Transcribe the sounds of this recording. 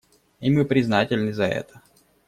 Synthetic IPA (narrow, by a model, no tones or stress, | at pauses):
imɨpɾʲɪznatʲɪlʲnɨzɐɛ̰t̪ə̥